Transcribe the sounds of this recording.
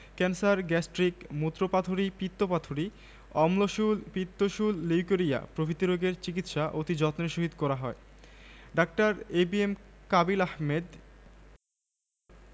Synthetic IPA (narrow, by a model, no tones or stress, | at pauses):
kɛnsaɾɡɛsʈɾikmut̪ːɾopat̪ʰoɾipit̪ːopat̪ʰoɾi | ɔmloʃulpit̪ːoʃulːiwkoɾija̰pɾobʱit̪iɾoɡeɾt͡ɕik̬it̪ʃaʔot̪id͡ʑɔt̪neʃoɦid̪kɔɾaɦɔe | ɖak̚ʈaɾebiemkabilahmed̪